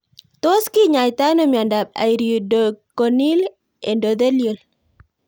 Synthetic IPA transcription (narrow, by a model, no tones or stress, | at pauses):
t̪oskiɲajt̪anomiandab̚a̰jɾidokonil | endod̪elijol